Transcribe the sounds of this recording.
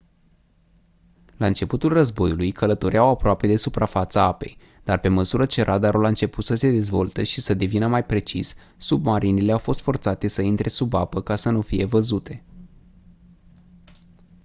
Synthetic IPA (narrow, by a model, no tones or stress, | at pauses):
laɨnt͡ʃe̞put̪ulrəzbo̞julujkʰələt̪o̞ɾeawapɾoape̞d̪e̞supɾafat̪səape̞̰j | d̪̥arpe̞məsuɾət͡ʃe̞ɾʔad̪aɾolaɨnt͡ʃe̞put̪səse̞d̪e̞zvo̞lt̪eʃisəd̪e̞vinəmajpɾe̞t͡ʃis | submaɾinile̞awfo̞st̪fo̞rt̪sat̪e̞səint̪ɾʔe̞subapəkasənufije̞vəzut̪e̞